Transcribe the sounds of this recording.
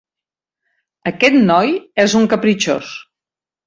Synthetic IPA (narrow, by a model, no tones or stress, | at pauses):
əkɛt̪nɔjɛzuŋkəpɾit͡ʃo̰s